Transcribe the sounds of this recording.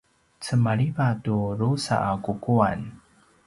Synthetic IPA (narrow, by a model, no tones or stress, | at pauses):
t͡səmaɭivatuɾusa̰ʔːkukuan